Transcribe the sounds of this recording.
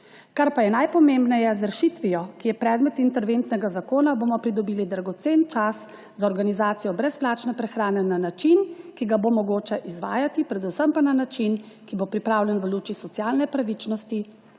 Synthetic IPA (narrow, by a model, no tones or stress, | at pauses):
kaɾpajɛnajpɔmembnɛjɛzɾʃit̪ʋijɔkijɛpɾɛːd̪mɛt̪int̪ɛɾʋent̪nɛɡazakoːnaboːmɔpɾid̪ɔbiːlid̪ɾaɡɔt̪sent͡ʃas | zaɔɾɡanizaːt̪sijɔbɾɛsplaːt͡ʃnɛpɾɛxɾaːnɛnanat͡ʃinkiɡabomɔɡoːt͡ʃɛʔizʋa̰ːjat̪ipɾɛd̪usəmpananat͡ʃin | kibopɾipɾaːwlʲjɛnʋəluːt͡ʃisɔt̪sjaːlnɛpɾaʋit͡ʃnɔst̪i